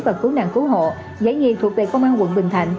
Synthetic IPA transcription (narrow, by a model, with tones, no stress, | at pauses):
vəː˨˩k̚ːu˨˦na̰ː˧˨ŋku˨˦ɦo̰˧˨ | zə̰˧˥˦jɲi˨˩t̪ʰu˨˩ək̚vḭ˨˩kːə˧wŋ͡mʔaː˧nkwə̰˧˨nɓï˨˩ŋ̟t̪ʰa̰˧˩jŋ̟